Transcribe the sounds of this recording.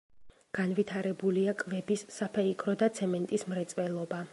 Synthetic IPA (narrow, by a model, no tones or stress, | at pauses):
ɡ̥anvit̪ʰaɾɛbuliakʼvɛbisːapʰɛikʰɾɔd̪at̪sʰɛmɛnt̪ʼismɾɛt̪sʼwɛlˠɔba